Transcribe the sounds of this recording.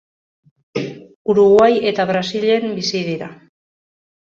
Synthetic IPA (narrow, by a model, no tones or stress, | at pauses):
uɾuɣwaje̞t̪aβɾasiʎe̞mbisið̞iɾa